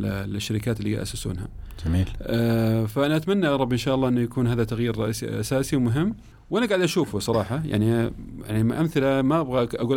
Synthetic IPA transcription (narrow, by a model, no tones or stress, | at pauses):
lɪʃːaɾɪkaːt̪ɪlːḭʔa̰sasṵːnha̰d͡ʒamiːlʔfaʔanaʔat̪manːaʔɑɾˤɑbʔɪnʃaːʔɑlːɑːʔɪnːujakuːnɦaːðat̪aɣjiːɾɑʔsḭʔa̰saːsiwmʊɦɪmː | wʔanaɡaʕd̪ʔaʃuːfusˤɑɾˤɑːħɑja̰ʕnija̰ʕnimʔamθɪlamabɣaʔaɡuːl